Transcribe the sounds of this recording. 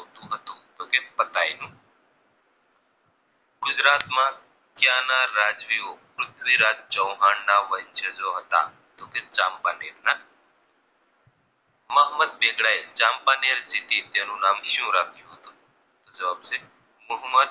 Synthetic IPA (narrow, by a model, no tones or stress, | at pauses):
ɦot̪ũɦət̪ũːt̪oːkepɐt̪aːinũː | ɡʊd͡ʒɾaːt̪mã | kjaːnaːɾaːd͡ʒʋioːpɾʊt̪ʰʋiːɾaːt̪̚t͡ʃə̃ːɦaːnːaːʋənt͡ʃʰəd͡ʒoːɦɐt̪a̰ː | t̪oːket͡ʃaːmpaːneːɾna | məɦməd̪̚beːɡɽaːet͡ʃaːmpaːneːɾd͡ʒɪt̪it̪eːnũːnaːmʃjũːɾaːt̪iɦoːt̪uː | t̪od͡ʒɐʋaːbse | mʊɦmːəd̪